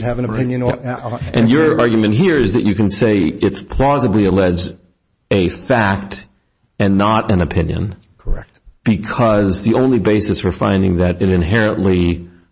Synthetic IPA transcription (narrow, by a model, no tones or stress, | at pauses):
ɨṽnɨɪ̃njɨ̃nʔɨ̃njə˞ɑɹɡjmɨ̃nt̚ɦiɹɪzðɨt͡ʃɨkɨ̃n̩seɪɪtpʰl̥ɔzəbliəlɛd͡ʒd | ɨfæk̚t | ɨ̃nːəɾɨ̃nɨpʰɪ̃njɨ̰̃n | kʰə˞ɛk̚tb̥ɨkʰʌzðiõʊ̃nlibeɪsɨsfə˞fã̰ɪ̃ndɪ̰̃ŋðɨɾɨ̃ɾɨ̃nɦɛɹɨ̃nʔli